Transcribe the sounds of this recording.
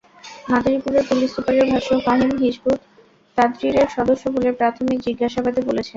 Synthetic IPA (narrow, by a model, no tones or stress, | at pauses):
ɦad̪ɾipuɾeɾpulisːupaɾeɾbʱaʃofaɦimɦiʃbʱut̪ | t̪ad̪ɾiɾeɾʃɔd̪oʃːobolepɾat̪ʰomikd͡ʑiɡːaʃabad̪ebolet͡ɕʰe